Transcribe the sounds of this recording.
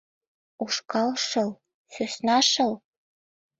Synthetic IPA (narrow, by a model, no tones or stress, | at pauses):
uʂkɑlʂɤ̆l | søsnɑʂɤ̆l